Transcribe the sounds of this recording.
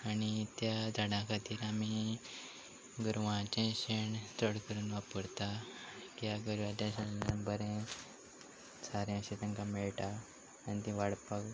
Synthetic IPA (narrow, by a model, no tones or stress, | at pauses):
añit̪jad͡zʱaɽãkʰat̪iːɾami | ɡuɾʋãt͡ɕẽɕeɳt͡səɽkəɾuːnʋapəɾt̪akijaɡəɾʋad̪jãɕəəmbəɾẽ | saɾjãɕet̪ə̃ŋkãmeɭʈaː | nit̪ĩʋaɽpək